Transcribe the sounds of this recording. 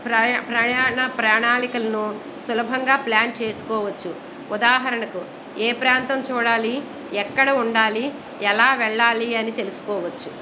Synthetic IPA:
ɾpɾɐjaːɳɐpɾaːɳaːlikɐlɐnu | sulɐbʱɐŋɡaːplaːnt͡ʃeːsu̥kɔːʋɐt͡ʃːu | ud̪aːɦɐɾɐɳɐku | eːpɾaːnt̪ɐmt͡ʃuːɽaːli | ɛkːɐɽɐuɳɖaːli | ɛlaːʋɛɭːaːliɐnit̪e̞lusu̥kɔːʋɐt͡ʃːu

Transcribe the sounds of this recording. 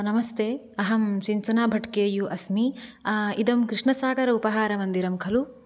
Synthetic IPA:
nɐmɐst̪ʰeː | ɐɦɐmsint͡ʃɐnaːbʱɐʈkeːjuʔɐsmi | id̪ɐmkɾiʂɳɐsaːɡɐɾɐupɐɦaːɾɐmɐnd̪iɾɐmkʰɐlu

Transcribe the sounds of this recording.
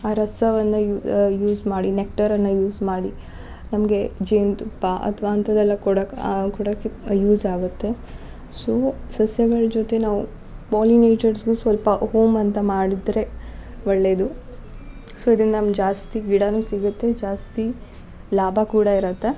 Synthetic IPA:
aːɾɐsɐʋɐnːɐujuːzmaːɽinek̚ʈɐɾɐnːɐjuːsmaːɽi | nɐmɡe̞d͡ʒeːnt̪upːaʔɐ̰t̪ʰʋɐːnt̪ʰɐd̪ɛlːɐkɔɽɐkkɔɽɐkːejuːzaːɡut̪ːe̞ | soːsɐsjɐɡɐɭd͡ʒot̪e̞naːʋṵ | paːlineːt͡ʃɐɾsɡuːsʋɐlpɐɦoːmɐnt̪ɐmaːɽid̪ɾe̞ | ʋɐɭːe̞ːd̪u | soːid̪ɐɾind̪ɐnɐmd͡ʒaːst̪iɡiɽɐnuːsiɡut̪ːe̞d͡ʒaːst̪i | laːbʱɐkuːɽɐiɾɐt̪ːe̞

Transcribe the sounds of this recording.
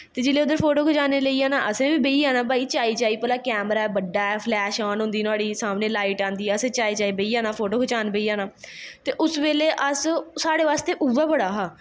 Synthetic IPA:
t̪eːd͡ʒɪleːʊd̪əɾpʰoːʈoːkʰʊt͡ʃaːneːləiːaːnaːʔəsẽːbiːbeiːaːnãːbaːiːt͡ʃaːiːt͡ʃaːiːpəlaːkɛːmɾaːɛːbəɖːaːɛːpʰlɛːʃaːnɦʊ̃nd̪iːnaːɽiːsaːmneːlaːiʈãːnd̪iːɛəsẽːt͡ʃaːit͡ʃaːiːbeiːaːnaːpʰoːʈoːkʰʊt͡ʃaːnbeiːaːnaːt̪eːʔʊsʋeːleːʔəssaːɽeːʋaːst̪eːʔuʋɛːbəɽaːɦaː

